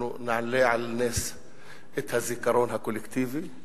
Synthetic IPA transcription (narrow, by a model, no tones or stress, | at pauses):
unaʕnlːeʕalaneːs | ʔɪt̪hazikɑɾˤoːnɦakʊlɪkt̪iːvi